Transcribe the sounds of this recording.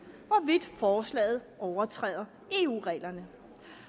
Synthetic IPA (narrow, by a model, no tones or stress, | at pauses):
ʋɒʋid̥fɒːslɛ̰ːð̞̩ˠɒʊɐt͡sʰʁɛ̰ːðˠɐ | e̝ṵːʁɛ̰ːlɐnə